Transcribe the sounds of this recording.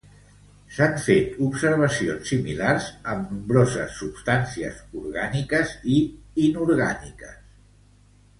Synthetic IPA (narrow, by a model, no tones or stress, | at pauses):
saɱfet̪upsəɾβəsionsːimilarzəmnumbɾɔzə̰sːupst̪ansiə̰zuɾɣanikəziinuɾɣanikəs